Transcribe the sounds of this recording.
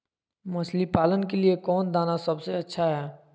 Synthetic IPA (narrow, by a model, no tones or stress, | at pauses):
mɐslipaːlənkeliekɔːnd̪aːnasɐbseɐtːʃʰaɦɛː